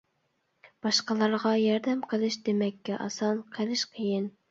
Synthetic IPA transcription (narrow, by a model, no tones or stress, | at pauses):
b̥ɑʃqəlˠɑɾʁɑjɑɾd̪ɛmqʰəlˠɨʃd̪emɛkʲːɛʔɑsɑnqʰəlˠɪʃqʰəjɪn